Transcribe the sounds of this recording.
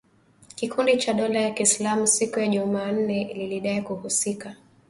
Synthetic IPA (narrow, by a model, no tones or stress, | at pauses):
kikʰundit͡ʃaɗɔlajakislamusikujaʄumaːn̩nɛliliɗaikuhusika